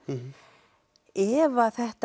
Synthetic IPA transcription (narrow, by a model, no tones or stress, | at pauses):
ɛvaθɛht̪